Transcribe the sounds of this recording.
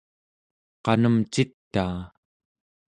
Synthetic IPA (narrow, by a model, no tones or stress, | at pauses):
qɑnəmt͡ʃit̪ːaː